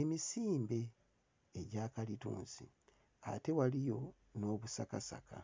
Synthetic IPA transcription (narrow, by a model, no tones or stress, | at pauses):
e̞misiːmbe̞ː | ɟaːkalitṵːnzḭ | a̰te̞walijo̞ | no̞ːβusakasa̰kʰa̰